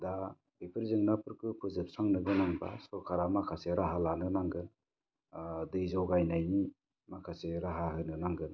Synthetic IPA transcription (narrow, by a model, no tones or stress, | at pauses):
da | ipʰɯɾzɯŋnapʰɯɾkɯpʰɯzɯp̚saŋnɯɡɯnaŋba̰sɔɾkʰaɾamakʰaseɾaɦalanɯnaŋɡɯn | dɯjzɔwɡajnajni | makʰaseɾaɦaɦɯnɯnaŋɡɯn